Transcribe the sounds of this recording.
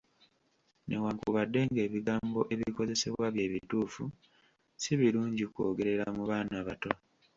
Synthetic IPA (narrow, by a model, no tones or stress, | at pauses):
ne̞̰waːŋkṵβadːe̞ŋɡe̞ːβiɡaːmbo̞ʔe̞βiiko̞ze̞se̞βwaβje̞ːβituːfu | siβiɾuːɲɟiko̞̰ːɡe̞ɾe̞ɾamuβaːnaβato